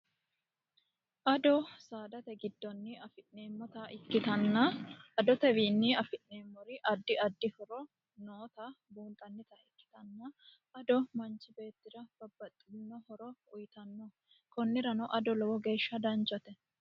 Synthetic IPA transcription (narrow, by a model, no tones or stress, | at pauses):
ʔɐd̪ɔsaːd̪ɐt̪ɛɡɪd̪ːɔnːɪɐfɪʔne̞ːmːɔt̪ɐʔɪkːɪt̪ɐnːɐʔɐd̪ɔt̪ɛwiːnːɪɐfɪʔneːmːɔɾɪʔɐd̪ːɪɐd̪ːɪhɔɾɔ | noːt̪ɐbuːnt̪ʼɐnːɪt̪ɐɪkːɪ̥t̪ɐnːɐ | ɐd̪ɔmɐnt͡ʃɪbe̞ːt̪ːɪɾɐb̥ɐbːɐt̪ʼːɪnːɔhɔɾɔʊjt̪ɐnːɔ | kɔnːɪɾɐnɐʔɐd̪ɔlɔwɔɡe̞ːʃːɐd̪ɐnt͡ʃʼːɐt̪ɛ